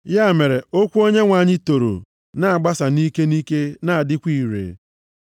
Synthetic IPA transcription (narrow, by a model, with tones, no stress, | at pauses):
ja˦˨me˨ɾe˨o˦kʷu˦o˦ɲe˦ŋʷa˨ɲɪ˦to˨ɾo̰˨ | na˦a˨ɡ͡ba˦sa˨ni˦ke˦ni˦ke˦na˨a˨dɪ˦kʷi˦˨ɾḛ˨